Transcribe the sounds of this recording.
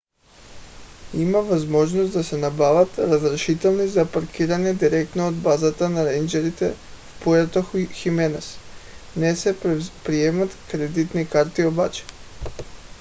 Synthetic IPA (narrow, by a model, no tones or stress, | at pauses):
imaʋazmo̞ʒnost̪d̪asenabaʋat̪ɾazɾaʃit̪elnizapaɾkiɾaɲed̪iɾek̚t̪noːd̪bazat̪anaɾend͡ʒeɾit̪ḛfpojat̪oxuximenasnesepɾijemat̪kɾed̪it̪nikaɾt̪iobat͡ʃḁ